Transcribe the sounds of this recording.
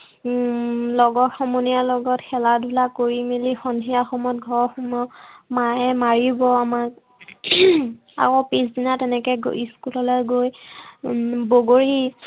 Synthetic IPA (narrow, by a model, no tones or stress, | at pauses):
lɔɡɔxɔmɔnijalɔɡɔtxɛladʱulakoɹimilixɔndʱiaxɔmɔt̚ɡʱɔɹxumɔmaɛmaɹibɔamak | a̰kɔpisdinatɛnɛkɛɡiskulɔlojɡoj | boɡoɹi